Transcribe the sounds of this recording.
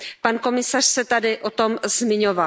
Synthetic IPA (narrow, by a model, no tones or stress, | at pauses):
panko̞mɪsar̝̥sɛt̪adɪʔot̪o̞mzmɪɲova